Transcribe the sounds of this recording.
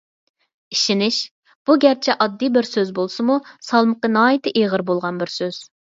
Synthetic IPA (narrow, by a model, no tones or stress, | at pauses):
iʃinɪʃ | b̥uɡʲæɾt͡ʃʰɛʔɑd̪ːijbɪɾsøzbolˠsɨmusɑlˠməqənɑːjit̪ʰɪʔeʁəɾbolˠʁɑnbɪɾsøz̥